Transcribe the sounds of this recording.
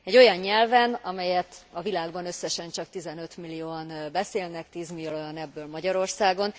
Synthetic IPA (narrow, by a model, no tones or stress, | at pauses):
ɛɟːo̞jɒɲːɛlvɛnɒmɛjɛt̪ɒvilaːɡbɒnø̞sːɛʃɛnt͡ʃɒkt̪izɛnø̞t̪milːijoːɒnbɛseːlnɛkt̪iːzmiljolojɒnɛbːøːlmɒɟɒɾo̞rsaːɡo̞n